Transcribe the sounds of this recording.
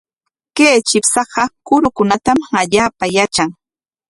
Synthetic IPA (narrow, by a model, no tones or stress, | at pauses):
keːt͡ʃɪpsɑɢɑkʊɾʊkʊnat̪amaʎaːpajat͡ʃaŋ